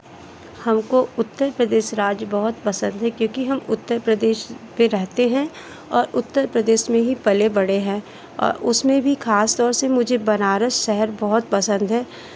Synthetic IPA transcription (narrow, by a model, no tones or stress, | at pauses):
hɐmkoʊt̪ːəɾpɾəd̪eːʃɾaːd͡ʒbɐɦʊt̪pɐsə̃nd̪ɦɛkjõːkiɦɐmʊt̪ːəɾpɾəd̪eːʃpẽɾɛɦt̪eɦɛ̃ | ɔːɾʊt̪ːəɾpɾəd̪eːʃmẽɦipɐlebɐɽeɦɛ̃ː | ɔ̰ːɾʊsmẽbʱixʰaːst̪ɔːɾsemʊd͡ʒʱebɐnaːɾəʃɛɦəɾbɔɦʊt̪̚pɐsə̃nd̪ɦɛː